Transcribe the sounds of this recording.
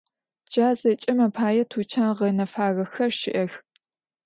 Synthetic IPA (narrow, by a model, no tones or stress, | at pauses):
d͡ʒaːzɐt͡ʃʼɐmɐpʰaːjɛtʰut͡ʃʰaːʁɐnɐfaːɣɐxɐrʃɪʔɐx